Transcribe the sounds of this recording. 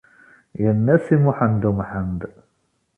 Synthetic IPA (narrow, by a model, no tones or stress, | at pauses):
jənːæsimuħand̪umħand̪